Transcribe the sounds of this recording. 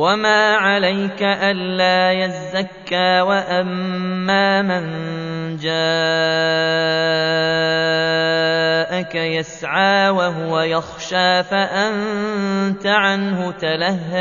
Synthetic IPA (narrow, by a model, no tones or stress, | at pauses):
wamaːʕalajkaʔanːaːjazːakːaːwaʔamːaːmɪnd͡ʒaː | ʔakajasʕaːwaɦʊwajɑxʃaːfaʔan | t̪aʕanhʊt̪alaɦːa